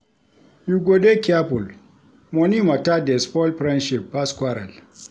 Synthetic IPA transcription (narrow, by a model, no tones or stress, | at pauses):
juɡʷodekʲapʊl | mɔnimatadɛspɔlɸɾɛnʃɪpːaskʷwaɾa̰l